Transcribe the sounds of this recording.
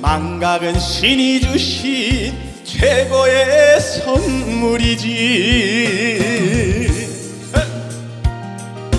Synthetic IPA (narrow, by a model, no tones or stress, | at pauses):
maŋɡaɡɯnɕʰinid͡ʑuɕi | t͡ɕʰweɡojesʰʌnmuɾid͡ʑi